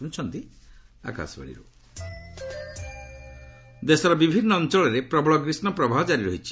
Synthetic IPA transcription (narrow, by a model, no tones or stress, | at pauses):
uñt͡ʃʰɔnt̪i | a̰ka̰sɔba̰ɽḭɾṵ | d̪esɔɾɔbibʱinːɔːnt͡ʃɔɭɔɾepɾɔbɔɭɔɡɾisnɔpɾɔbʱaɦɔd͡ʒaɾiɾɔɦit͡ʃʰi̥